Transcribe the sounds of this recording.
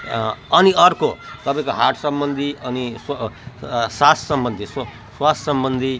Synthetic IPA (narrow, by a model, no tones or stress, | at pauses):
ʌniʌrkot̪ʌpãĩkoɦaʈʰsʌmbʌnd̪ʱiʌnis | sassʌmbʌnd̪ʱis | swassʌmbʌnd̪ʱi